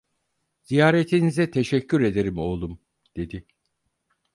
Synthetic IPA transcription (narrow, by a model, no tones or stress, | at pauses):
z̥ijaːɾet̪ʰinizɛt̪ʰe̞ʃɛcʰːyɾe̞d̪e̞ɾimo̞lˠum | d̪̥e̞d̪i